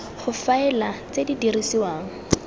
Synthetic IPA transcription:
χʊfaɛlat͡sedidirisiwaːŋ̩

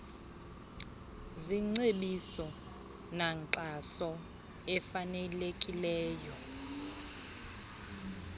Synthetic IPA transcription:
ziŋ͡ǀeɓisɔ | naŋǀasɔ | ɛfanɛlekʼilɛːjɔ

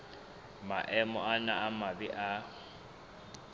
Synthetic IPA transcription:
maʔɛmɔanaːmabɪʔa

